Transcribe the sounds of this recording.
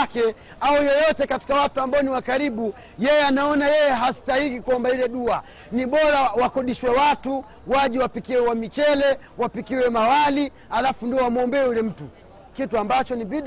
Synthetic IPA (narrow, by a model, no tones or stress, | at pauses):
kɛ | aujɔjɔtɛkati̥kawatuambaɔniwakaɾiɓu | jɛjɛanaɔnajɛjɛɦastahikikuɔmbailɛɗua | niɓɔɾawakɔɗiʃwɛwatu | waʄiwapikiwɛwamit͡ʃɛlɛ | wapikiwɛmawali | alafundiɔwamɔmbɛɛjulɛm̩tu | kituambat͡ʃɔniɓiɗ